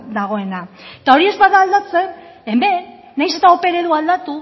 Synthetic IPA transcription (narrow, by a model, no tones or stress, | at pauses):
d̪aɣ̞o̞e̞nat̪ao̞ɾie̞zbaðaːld̪at͡se̞n | embe̞ | najse̞t̪ao̞pe̞ɾeðuald̪at̪u